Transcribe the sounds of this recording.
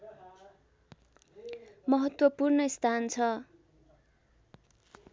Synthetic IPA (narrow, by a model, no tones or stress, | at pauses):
mʌɦʌt̪wʌpurnʌist̪ʰant͡sʰʌ